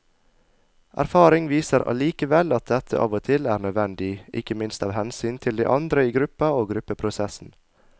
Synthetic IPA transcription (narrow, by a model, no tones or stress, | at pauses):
ʔæ̰ɾfɑːɾɪŋʋiːsəɾʔɑ̰liːkəʋɛlɑt̪̚d̪ɛt̪ʰə̰ʔɑ̰ːʋot̪ʰɪlæːɾnœd̪ʋɛnd̪ɪʔɪ̰kəmɪnst̪ɑːʋhɛnsyːnt̪ʰɪld̪ḭːʔɑnd̪ɾəiːɡɾʉpɑoːɡɾʉpəpʰɾʊsɛsn̩